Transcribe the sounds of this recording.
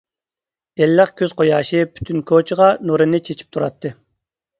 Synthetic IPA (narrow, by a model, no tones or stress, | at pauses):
elːəχkʲʰøzqʰojɑːʃɨpʰy̥t̪ʰynkʰot͡ʃʰʁɑnuɾɨnɨt͡ʃʰet͡ʃʰi̥p̚t̪ʰuɾɑt̪ʰːɨ